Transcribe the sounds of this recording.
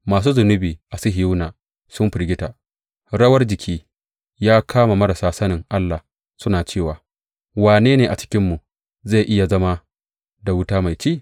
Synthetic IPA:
maː˨s̬uː˦zʊ˨nʊ˦biː˨ʔa˨sɪ˦ɦɪ˨ju˦naː˨ | sʊ˦mɸɪ˨ɾɡʲɪ˦ta˨ | ɽɐ˦wɐ˦rd͡ʒɪ˨kʲʰiː˦ | jaː˦kʰaː˦ma˨mɐ˦ɾa˨saː˦sɐ˦nɪ˨ŋʔa˦lːa˨ | sʊ˦naː˨t͡ʃeː˦˨waː˨ | waː˨neː˦neː˨ʔa˨t͡ʃɪ̥˦kʲɪ˦mːu˨ | za˦˨ʔɪ˦ja˨zɐ˦ma˦ | da˨wʊ˦taː˦ma˨jt͡ʃeː˦˨

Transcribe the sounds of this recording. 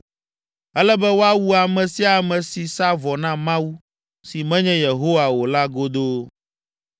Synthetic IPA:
ɛ˦lɛ˦bɛ˦wo˦a˦wu˦a˨mɛ̃˨si˦a˨mɛ̃˨si˨sa˦vɔ˨nã˦mã˦wu˦ | si˨mɛ̃˦ɲɛ̃˦je˨ɦo˦wa˨wo˨la˦ɡo˦d̪o˦

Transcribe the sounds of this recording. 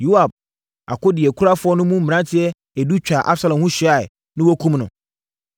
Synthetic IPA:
ju˦a˨b̚ | a̰˨kʊ˦dɪ˨ɛ˨kʰu˦ɾa˦fʊ˦ɔ˦nʊ̃˦mũ˦m̩̃ː˨ã˦tʰɪ˦ɛ˦ | ɛ˨du˦t͡ɕᶣa˨ʔa˦bsa˨lɔ̃˨hũ˦ɕᶣi˨˦a˨ɪ˨ | nɪ̃˦wɔ˦kʰũ˦mnʊ̰̃˨

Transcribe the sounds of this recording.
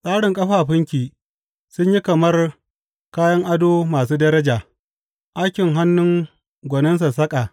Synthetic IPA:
sʼaː˦ɽɪ˨ŋkʼɐ˦ɸaː˨ɸɪ˦ŋkʲiː˨ | sʊ˦ɲji˦kɐ˨mɐ˦r | kaː˦jɐ˦ŋʔa˦doː˦maː˨suː˦dɐ˦ɾɐ˦d͡ʒaː˨ | ʔa˦jkʲɪ˨ŋɦa˦nːʊ˦ŋ | ɡʷɔ˨nɐ˦ns̬a˨sɐ˦kʼa˨

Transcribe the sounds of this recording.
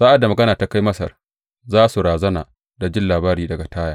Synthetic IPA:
saː˦ʔa˨da˨mɐ˨ɡɐ˦naː˨ta˦ka˦jmɐ˦sɐ̰˨r | zaː˦su˨ɾaː˨zɐ˦naː˨ | da˨d͡ʒɪ˦nlaː˨baː˦ɾiː˨dɐ˨ɡa˨taː˦jaː˨

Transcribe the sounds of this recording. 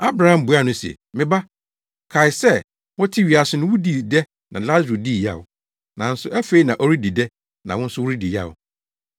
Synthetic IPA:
a˦bɾa˨˦hã˨m̩˦bʊ˨˦a˦˨nʊ̃˦sɛ̰˨ | mɪ̃˦ba˦ | kʰa˨ɪ˨sɛ˦˨ | wɔ̃˦tʰi˦ɥi˨a˨sʊ˨nʊ̃˦wu˦di˦˨dɛ˦ | nã˨la˦zu˨di˦˨ja̰˦˨ʊ˨ | nã˨n̩˦sʊ˨æ˦fe˦i˦nã˨ʔo˦ɾi˦di˨dɛ˦ | nã˨wɔ̃˦n̩˦sʊ˦wu˦ɾi˦di˨ja̰˦˨ʊ̰˨

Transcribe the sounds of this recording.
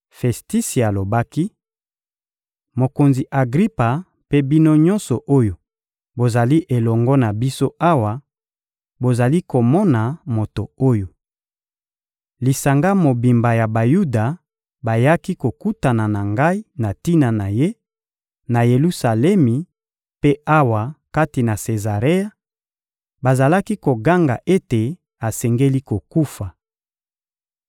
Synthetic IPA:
fɛ˨sti˦si˨a˨lo˨ba˦ki˦ | mo˨ko˨nzi˨ʔa˨ɡʁi˦pa˨ | pe˦bi˦no˦ɲɔ̃˦nsɔ˨ʔo˦jo˨ | bo˨za˨li˦ʔe˨lɔ˨ŋɡɔ˦na˨bi˦so˦a˦wa˨ | bo˨za˨li˦ko˨mɔ˦na˨mo˨to˨o˦jo˨ | li˨sa˨ŋɡa˦mo˨bi˨mba˨ja˨ba˨ju˦da˨ | ba˨ja˦ki˦ko˨ku˦ta˨na˨na˨ŋɡa˦i˦na˨ti˦na˨na˨je˦ | na˨je˨lu˦sa˨lɛ˦mi˨ | pe˦a˦wa˨ka˦ti˨na˨se˨za˨ʁe˦ja˨ | ba˨za˨la˦ki˦ko˨ɡa˦ŋɡa̰˨ʔe˦te˨ | a˨sɛ˨ŋɡe˦li˦ko˨ku˦fa˨

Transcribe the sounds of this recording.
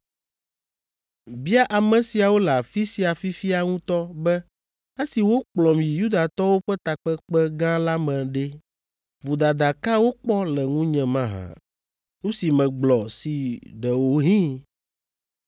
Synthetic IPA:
bi˦a˦ʔa˨mɛ̃˨si˨a˨wo˦la˨fi˦si˨a˨fi˦fi˦a˨ŋũ˦t̪ɔ˦bɛ˦ | e˦si˨wo˦k͡plɔ˨mĩ˨ju˦d̪a˨t̪ɔ˦wo˦ɸɛ˦t̪a˨k͡pɛ˦k͡pɛ˦ɡã˦la˦mɛ̃˨ɖɛ˦ | vo˨d̪a˨d̪a˨ka˦wo˦k͡pɔ˦lɛ˨ŋũ˦ɲɛ̃˨mã˦ɦã̰˨ | ŋũ˦si˨mɛ̃˨ɡ͡blɔ˨si˨ɖɛ˨wo˨˦ɦĩ˦

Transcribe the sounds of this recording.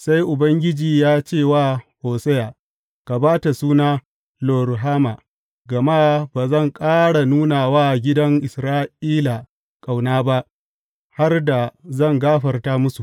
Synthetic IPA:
sa˦jʔʊ˨bɐ˦ŋɡʲɪ˦d͡ʒiː˨jaː˦t͡ʃeː˦˨waː˦˨hoː˨sɛ˦jaː˨ | ka˨baː˦ta˨suː˦naː˦ | loː˨ɾɦaː˦ma˨ | ɡɐ˨ma˦baː˨zɐ˦˨ŋkʼaː˦ɽa˨nuː˦na˨waː˦ɡʲɪ˦dɐ˦ŋʔɪ˨sɾaː˦ʔiː˦la˨ | kʼa˨wnaː˦ba˦ʔ | ha˦rda˨zɐ˦˨ŋɡaː˦ɸɐ˨rtaː˦mʊ˦su˨ʔ

